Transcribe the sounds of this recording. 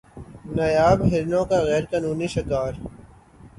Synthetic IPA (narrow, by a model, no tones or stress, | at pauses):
nɐjaːbɦɪɾnõːkaɣɛːɾkaːnuːniʃɪkaːɾ